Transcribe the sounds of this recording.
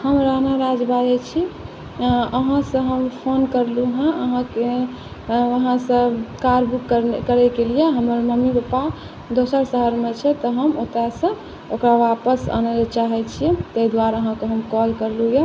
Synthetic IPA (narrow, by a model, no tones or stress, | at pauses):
həmɾanaɾad͡ʒbad͡ʒɛt͡ʃʰi | əɦãsə̃ɦəmpʰonkəɾluɦə̃əɦãke | ʋəɦãsə̃kaɾbukːəɾkəɾɛkelijeɦəməɾməmibəpa | d̪osəɾsəɦəɾmet͡ʃʰɛt̪ɔɦəmot̪ɾasə̃ | okɾaʋapəsə̰nelet͡ʃaɦɛt͡ʃʰiɛt̪eid̪waɾəɦãkeɦəmkɔlkəɾluje